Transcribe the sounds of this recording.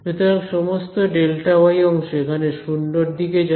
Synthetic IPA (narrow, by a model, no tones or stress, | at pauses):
bet̪oɾaŋʃɔmost̪oɖelʈaoajɔŋʃoekʰaneʃunɖoɾd̪iked͡ʑ